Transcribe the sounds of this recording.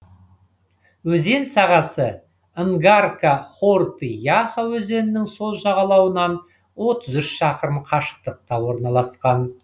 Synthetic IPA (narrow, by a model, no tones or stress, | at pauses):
wɵze̞nsɑʁɑsə | əŋɡarkaχort̪ijaχawɵze̞nɪnɪŋso̞lˠʒɑʁɑlˠɑwənɑn | wo̞t̪əzʏʃʃɑqəɾəmqʰɑʃə̥q̚t̪əq̚t̪ɑwo̞ɾnɑlˠɑsqɑn